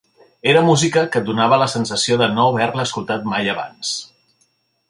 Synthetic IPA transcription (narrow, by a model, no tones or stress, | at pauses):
eɾəmuzikəkəd̪unaβ̞ələsənsəsioðənoβɛɾləːskulˠt̪at̪̚majəβa̰ns